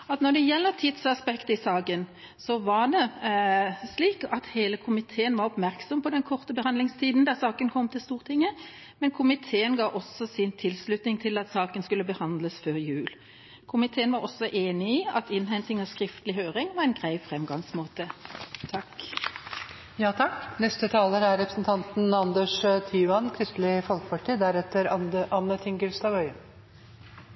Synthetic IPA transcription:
ɑt̪nɔʁd̪ɛjɛlːəɾt̪ʰɪd̪sɑspɛkt̪əɪsɑːkən | sɔʋɑd̪ɛ | sliːkɑt̪heːləkʰʊmɪt̪ʰeːənʋɑɾɔpmæɾksɔmpɔd̪ɛnkʰɔʁt̪əbəhɑnd̪ɪŋst̪ʰiːd̪n̩d̪ɑsɑːkənkʰɔmːt̪ʰɪlst̪uːʁt̪ʰɪŋːə | mɛnkʰʊmɪt̪ʰeːənɡɑːʔɔsːɔsɪnt̪ʰɪlslʉt̪nɪŋt̪ʰɪlɑt̪sɑːkənskʉlːəbəhɑnd̪ləsføːɾjʉːl | kʰʊmɪt̪ʰeːənʋɑʁɔsːɔʔeːnɪiːɑt̪ɪnɦɛnt̪ɪŋɑskʁɪft̪əlɪɦøːʁɪŋʋɑɛɪnɡʁæɪfʁɛmɡɑŋsmoːt̪ət̪ʰɑk | jɑːt̪ʰɑknɛst̪ət̪ʰɑːləɾæɾɾɛpɾə̥snt̪ʰɑnt̪n̩ɑnd̪əʂt̪ʰiːʉɑnkʰɾɪst̪lɪfɔlkə̥pʰɑʈʰiːd̪æɾɛt̪əɾʔɑnːət̪ʰɪŋɡʉlst̪ɑːʋœʏən

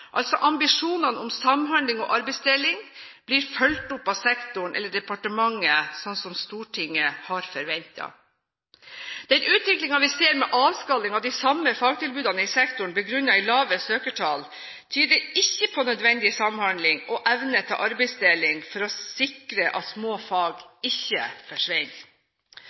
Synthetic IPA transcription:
ʔɑlt̪sɔʔɑmbɪʂuːnɑnʊmsɑmɦɑnd̪lɪŋɔ̰ʔɑɾbɛɪsd̪eːlɪŋ | b̥liːɾfœlt̪ʊpːɑʋsɛkt̪ʊɳʔɛ̰lːəɖɛpɑʈəmɑŋːəsɔnːsɔmst̪uːʈʰɪŋːəhɑɾfœɾʋɛnt̪ɑ̰ | d̪̥ɛnʉːt̪ʋɪklɪŋɑʋɪseːɾmɛʔɑːʋskɑlːɪŋɑʋd̪ɪsɑmːəfɑːɡ̚t̪ʰɪlbʉːd̪ɑnəɪsɛkt̪ʊɳ̩bəɡɾʉnːɑɪlɑːʋəsøːkəʈʰɑːl | t̪ʰyːd̪əɪçːəpʰɔnœd̪ʋɛnd̪ɪsɑmhɑnd̪lɪŋɔʔɛʋnət̪ʰɑ̰ʔɑɾbɛɪsd̪eːlɪŋfɔɾɔsɪkɾəʔɑ̰t̪smoːfɑːɡɪçːə̰fɔʂʋɛn

